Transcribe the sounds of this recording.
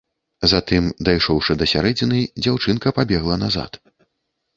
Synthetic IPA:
zat̪ɨmd̪ajʂɔwʂɨd̪ɐsʲaɾɛd͡zʲinɨd͡zʲawt͡ʂɨnkɐpabʲɛɣlˠɐnaza̰t̪

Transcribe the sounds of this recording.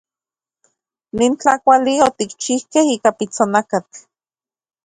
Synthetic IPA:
nint͡ɬakʷaliot̪ikt͡ʃihkehiːkapit͡sonakat͡ɬ

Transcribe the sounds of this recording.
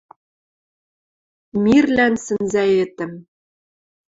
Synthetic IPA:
mirlænsɘ̆nzæet̪ɘ̆m

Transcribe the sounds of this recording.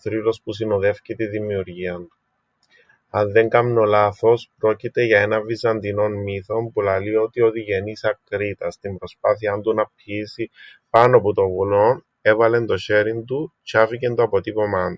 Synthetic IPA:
θɾilo̞spusinoðefcit̪iðimiuɾʝiɐnt̪u̥ | ɐnðe̞ŋkɐmno̞laθo̞spɾo̞cit̪e̞ʝɐe̞nɐvizɐnd̪ino̞nmiθo̞mpulɐlio̞t̪io̞ðiʝe̞nisɐkɾit̪ɐst̪imbɾo̞spaθiɐnd̪unɐpisipɐnoput̪o̞vulo̞n | e̞vɐle̞nd̪o̞çe̞ɾind̪ucɐfice̞nt̪oɐpo̞t̪ipo̞mɐnd̪u̥

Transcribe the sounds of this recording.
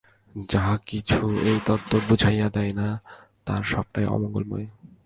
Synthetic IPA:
d͡ʑaɦkit͡ɕʰuejt̪ɔt̪ːobud͡ʑʱajad̪ɛena | t̪a̰ɾʃɔb̚ʈajʔɔ̰mɔŋɡolmɔ̰e

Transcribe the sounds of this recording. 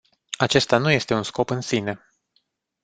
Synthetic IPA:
at͡ʃe̞st̪anuje̞st̪e̞unsko̞pɨnsine̞

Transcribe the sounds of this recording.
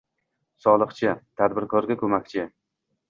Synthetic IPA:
sɒlˠɨχt͡ʃʰɪt̪ʰad̪bɪɾkʰɒɾɡʲakʰɵmakʲt͡ʃʰɪ

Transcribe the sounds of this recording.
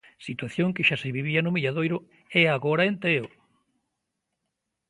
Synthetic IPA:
sit̪waθjoŋkɪʃasɪβiβ̞ianʊmiʎaðojɾʊ | ɛaɣoɾaent̪eo

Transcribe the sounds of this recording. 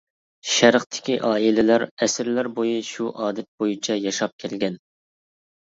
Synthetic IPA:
ʃæɾχt̪ʰɪ̥kʲiʔɑːilɪlæɾɛsɪɾlæɾbojiʃuʔɑːd̪ɛt̪̚b̥ojit͡ʃʰɛjɑʃɑp̚kʲʰɛlɡʲɛn

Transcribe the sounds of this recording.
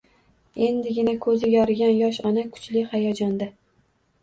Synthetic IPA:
e̞nd̪ɪɡʲɪnakʰɵzɪɡʲɒɾɪɡʲanjɒʃɒnakʰʊ̥t͡ʃlɪhajɒd͡ʒɒnd̪a

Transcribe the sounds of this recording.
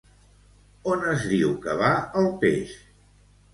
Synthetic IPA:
onəzðiwkəβ̞aəlˠpḛʃ

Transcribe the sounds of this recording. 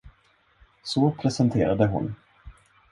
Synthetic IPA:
sɔpʰɾɛsɛnt̪ʰeːɾad̪əɦʊ̰n

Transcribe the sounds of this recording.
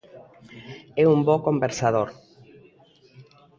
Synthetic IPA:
ɛumbɔkombeɾsað̞oɾ

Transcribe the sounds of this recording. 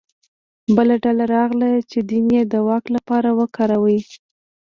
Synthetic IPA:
bəlaɖalaɾɑɣlat͡ʃed̪injed̪əwɑklapɑɾawəkɑɾawəj

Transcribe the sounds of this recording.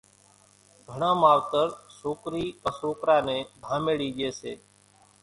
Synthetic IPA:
ɡʱəɳãːmaːʋt̪əɾsoːkɾiːkəsoːkɾaːnẽːd̪ʱãːmeːɽiːʄeːsḛː

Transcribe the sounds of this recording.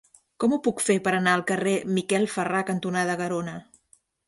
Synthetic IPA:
kɔmupukfepəɾənaəlˠkəremikɛlˠfərakənt̪unaðəɣəɾonə

